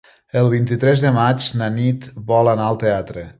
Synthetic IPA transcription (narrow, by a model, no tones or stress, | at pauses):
əlˠβ̞int̪it̪ɾɛzðəmat͡ʃnanit̪βɔlanaəlˠt̪eat̪ɾə